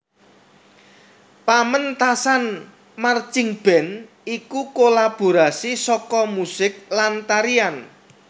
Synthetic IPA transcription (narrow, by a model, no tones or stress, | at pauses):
pamənt̪asan | mart͡ʃɪŋb̥ɛ̤n | ikukolab̥o̤ɾasisɔkɔmusɪk̚lant̪aɾian